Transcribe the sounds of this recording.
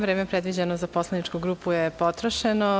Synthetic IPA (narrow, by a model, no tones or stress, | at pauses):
ʋɾeːmepɾed̪ʋid͡ʑenozaposlenit͡ʃkuɡɾuːpujepot̪ɾoʃeno